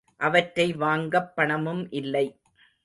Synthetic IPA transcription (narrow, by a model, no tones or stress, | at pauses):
ʔɐʋɐʈːɾɐɪʋaːŋɡɐpːɐɳɐmɯmʔɪlːɐɪ